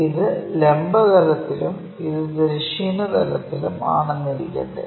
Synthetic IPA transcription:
iðɨlembɐd̪ɐlɐt̪ːilum | iðɨd̪ɾɐʂiːnɐd̪ɐlɐt̪ːiluma̰ːɳɐŋːɐɾḭkʲːḛɳɖɨ̰

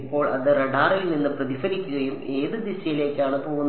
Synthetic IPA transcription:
pːo̞ːɭɐðɨreɖaːɾilninːɨprɐðifɐɾikʲːuɣɐjume̞ːðɨd̪isɐjile̞ːkʲːaːɳɨpo̞ːɣunː

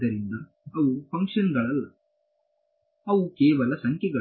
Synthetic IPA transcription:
ɐɾind̪ɐ | ɐʋupʰɐŋkʂɐnɡɐɭɐlːɐ | ɐʋukeːʋɐlɐsɐŋkjɛɡɐ

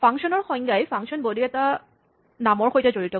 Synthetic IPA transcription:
pʰaŋksɔnɔɹxɔjŋɡajpʰaŋsɔnbodiɛta | namɔɹxojtɛzoɹitɔ

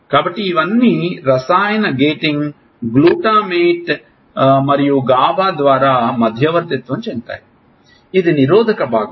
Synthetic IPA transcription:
kaːbɐʈːiːʋɐnːiɾɐsaːjɐnɐɡeːʈiŋɡ | ɡluːʈaːmeːʈ | mɐɾijuɡaːbaːd̪ʋaːɾaːmɐd̪ʱjɐʋɐɾt̪it̪ʋɐmt͡ʃeːnt̪a̰ːji | id̪iniɾoːd̪ʱɐkɐbʱaːɡ

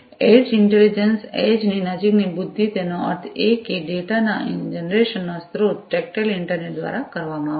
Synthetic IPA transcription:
ed͡ʒɪɳʈelid͡ʒənsed͡ʒninəd͡ʒiknibʊd̪ʱːit̪enoə̰ɾt̪ʰekeɖeʈana̰d͡ʒənɾeʃənːast̪ʰɾoʈek̚ʈelɪɳʈəɾneʈ̚d̪ʋa̰ɾakəɾʋamãaːʋ

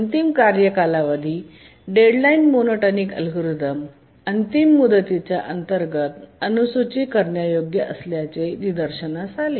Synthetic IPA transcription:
ənt̪imkaɾjəkalaʋəd̪ʱiː | ɖeɽlainmonoʈənikə̰lɡɾud̪əm | ənt̪imːud̪ət̪it͡ɕjaʔənt̪əɾɡət̪ənusut͡ɕikəɾɳjajoɡjəʔə̰sljat͡senid̪əɾɕənasale

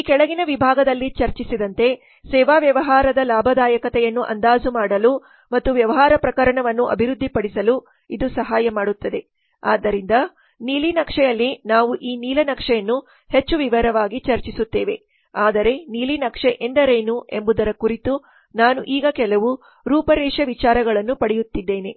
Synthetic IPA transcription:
kɛɭɐɡinɐʋibʱaːɡɐd̪ɐlːit͡ʃɐɾt͡ʃisid̪ɐnt̪e̞ | sɛːʋaːʋjɐʋɐɦaːɾɐd̪ɐlaːbʱɐd̪aːjɐkɐt̪ɛjɐnːuʔɐ̰nd̪aːzumaːɽɐlu | mɐt̪ːuʋjɐʋɐɦaːɾɐpɾɐkɐɾɐɳɐʋɐnːuʔɐ̰bʱiɾud̪ʱːipɐɽisɐlu | id̪usɐɦaːjɐmaːɽut̪ːɐd̪e̞ | aːd̪ːɐɾind̪ɐ | niːlinɐkʂɛjɐlːinaːʋuʔiːniːlɐnɐkʂɛjɐnːu | het͡ʃːuʋiʋɐɾɐʋaːɡit͡ʃɐɾt͡ʃisut̪ːeːʋe̞̰ | aːd̪ɐɾe̞niːlinɐkʂeʔeɳɖɐɾɐjnuʔe̞mbud̪ɐɾɐkuɾit̪u | naːnuʔiːɡɐkɛlɐʋu | ɾuːpɐɾɛːʂɐʋit͡ʃaːɾɐɡɐɭɐnːupɐɽɛjut̪ːid̪ːeːne

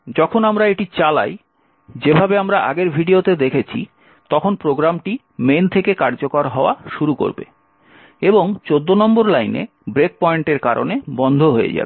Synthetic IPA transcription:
d͡ʑɔkʰonamɾaeʈit͡ɕala̰j | d͡ʑebʱabeamɾaʔa̰ɡeɾbʱiɖiot̪ed̪ekʰet͡ɕʰḭ | t̪ɔkʰonpɾoɡɾamʈi | ment̪ʰekekaɾd͡ʑokaɾɦɔoaʃuɾuko̰ɾbḛ | eboŋt͡ɕod̪ːonɔmboɾlajnḛ | bɾek̚pɔiɳʈeɾkaɾʔo̰nebɔnd̪ʱoɦoḛd͡ʑa̰be

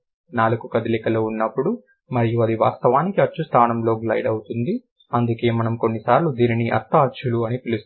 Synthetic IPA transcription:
naːluɡukɐd̪ilikɐloːunːɐpːuɽu | mɐɾijuɐd̪iʋa̰ːst̪ɐʋaːnikiɐt͡ʃːust̪ʰaːnɐmlo̞ːɡlɐ̰jɖɐwut̪und̪i | ɐnd̪uke̞ːmɐnɐmko̞nːisaːɾlud̪iːniniʔɐ̰t̪ːɐɐt͡ʃːuluɐnipilust̪

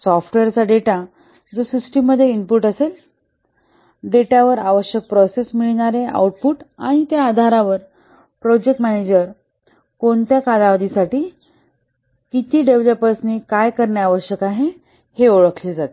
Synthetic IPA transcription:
sɔfʈʋeɾt͡saɖeʈa | d͡zosɾusʈiməd̪ʱːjeimpuɾʈəsel | ɖeʈaʋəɾaʋəɕjək̚pɾɔsesmiɭɽ̃aɾea̰wʈ̚puːʈaɽ̃it̪jaːd̪ʱaɾaʋəɾ | pɾɔd͡ʑek̚ʈmæned͡ʑəɾ | koɳt̪jakad̪aʋad̪isaʈiː | kit̪iːɖeʋləpəɾsnikajkəɾɳjaaʋəɕjəkaɦe | heoɭəkʰled͡zat̪e

